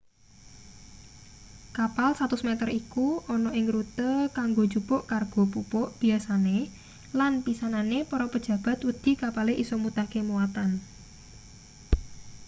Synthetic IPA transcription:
kapalsat̪usmɛt̪ərikuʔɔnɔʔɪŋɾut̪əkaŋɡo̥d͡ʒupʊʔkarɡ̥ɔ̤pupʊʔb̥i̤asane | lanpisananepɔɾɔpəd̥ʒ̥ä̤b̥ä̤t̪wud̪̥i̤kapaleʔisɔmut̪akemuwat̪an

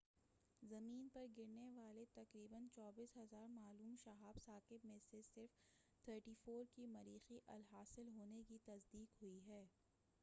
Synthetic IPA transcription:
zɐmiːnpɐɾɡɪɾneʋaːlet̪ɐkɾiːbənt͡ʃɔːbiːsɦɐzaːɾmaːluːmʃɐɦaːbsaːkɪbmẽsesɪɾf | t̪ʰəːɾʈiːfoːɾkimɐɾiːxiʔɐlɦaːsɪlɦoːnekit̪ɐzd̪iːkɦʊiɦɛː

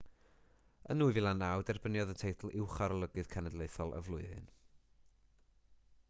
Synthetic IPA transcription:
ə̰nuːɨvɪlˠanawdɛrbənjɔðəntʰejtʰl̩ˠɪwχaɾɔlˠəɡɨð̥kʰanɛdlˠeɨθɔlˠə̰vlˠʊɨɨ̰n

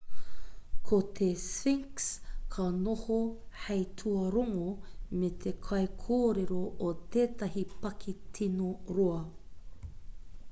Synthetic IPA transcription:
kʰot̪ʰesfiŋkskʰɐnohohɐjtʰuɐɾoŋomet̪ʰekʰɐjkʰoːɾeɾoʔot̪eːtɐɦipɐkʰitʰinoɾuɐ

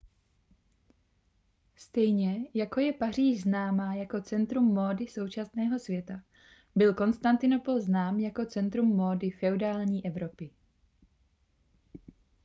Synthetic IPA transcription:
st̪ɛjɲɛjako̞jɛpar̝iːʒznaːmaːjako̞t͡sɛnt̪ɾumːo̞ːdɪso̞wt͡ʃasnɛːɦo̞svjɛt̪a | bɪlko̞nst̪ant̪ɪno̞po̞lznaːmjako̞t͡sɛnt̪ɾumːo̞ːdɪfɛudaːlɲiːʔɛvɾo̞pɪ

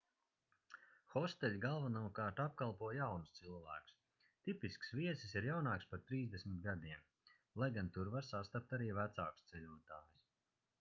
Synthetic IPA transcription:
xɔst̪ɛlʲɡalˠvanuɔkaːɾt̪ap̚kalˠpuɔjawnust̪silˠvæːku̥s | t̪ipisksviɛsisiɾjawnaːkspaɾt̪ɾiːzd̪esmit̪̚ɡad̪iɛm | lˠajɡant̪uɾvaɾsast̪ap̚t̪aɾiːvæt̪saːku̥st̪sɛʎʲuɔt̪aːjus

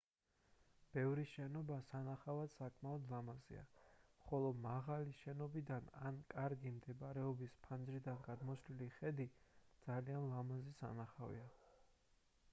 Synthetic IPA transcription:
b̥ɛvɾiʃɛnɔbasanaχavad̪̥sakʼmaɔd̪lˠamazḭa̰χɔlˠɔmaʁaliʃɛnɔbid̪ana̰nkʼaɾɡimd̪ɛbaɾɛɔbispʰand͡ʒɾid̪anɡad̪mɔsliliχɛd̪id̪zalianlˠamazisa̰naχavḭa

